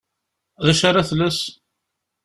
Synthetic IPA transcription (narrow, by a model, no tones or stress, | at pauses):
ðæʃaɾaθlæs